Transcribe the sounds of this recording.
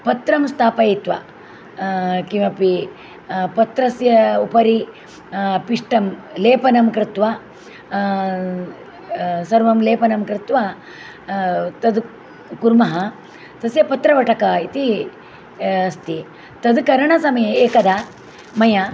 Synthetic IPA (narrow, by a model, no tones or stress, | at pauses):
pɐt̪ɾɐmst̪ʰaːpɐit̪ʋɐ̰ | kiʋɐpi | pɐt̪ɾɐsjɐupɐɾi | piʂʈɐmleːpɐnɐmkɾɪt̪ʋa | sɐɾʋɐmleːpɐnɐmkɾɪt̪ʋa | t̪ɐd̪ | kuɾmɐɦɐ | t̪ɐsjɐpɐt̪ɾɐʋɐʈʰɐkɐit̪i | ɐst̪i | t̪ɐd̪kɐɾɐɳɐsɐmɐjɐeːkɐd̪a | mɐjɐ